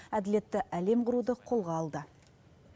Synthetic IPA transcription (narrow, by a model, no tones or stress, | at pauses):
æd̪ɪle̞t̪ːɪʔæle̞mqʰʊɾud̪əqʰo̞lˠʁɑːlˠd̪ə